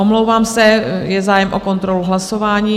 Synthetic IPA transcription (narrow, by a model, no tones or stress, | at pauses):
omlowvaːmsɛjɛzaːjɛmʔoko̞nt̪ɾoluɦlaso̞vaːɲiː